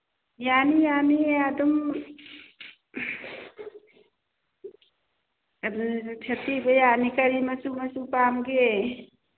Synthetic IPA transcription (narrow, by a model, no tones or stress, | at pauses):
janijaniadum | tʰetibəjanikɐɾimɐsumɐsupamɡe